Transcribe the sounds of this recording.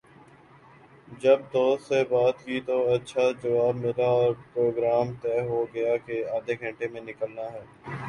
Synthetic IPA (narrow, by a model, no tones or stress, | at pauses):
d͡ʒəb̚d̪oːsebaːt̪kiːt̪oɐtːʃʰad͡ʒɐʋaːbmɪd̪aɔːɾpɾoːɡɾaːmt̪ɛːɦoɡɐjakeaːd̪ʱeɡʱə̃ɳʈemẽnɪkəlnaɦɛː